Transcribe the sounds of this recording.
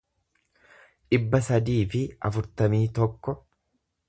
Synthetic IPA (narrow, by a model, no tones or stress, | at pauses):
ᶑɪbːɐsɐd̪iːfɪɐ̰fʊɾt̪ɐmiːt̪ɔkːɔ